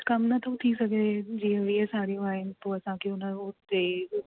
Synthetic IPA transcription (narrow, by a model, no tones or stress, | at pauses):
kɐmnɐt̪ʰə̃t̪ʰisɐɡed͡ʑiːɦẽʋiɦesaːɾijũaːɦɪnɪt̪oːɐsãkʰeʊnəɾoːt̪eː